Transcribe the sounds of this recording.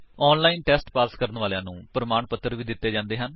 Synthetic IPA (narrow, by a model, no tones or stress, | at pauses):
ɔːnlaːiːnʈɛːsʈpaːskəɾənʋaːljãːnũːpɾəmaːɳpət̪ːəɾʋiːd̪ɪt̪ːeːd͡ʒãːnd̪eːɦən